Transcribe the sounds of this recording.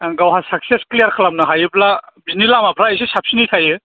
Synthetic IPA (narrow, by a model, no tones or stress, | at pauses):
ɡawɦasak̚sesklijaɾkʰalamnɯɦajɯplabinilamapʰɾaisesap̚sinitʰajɯ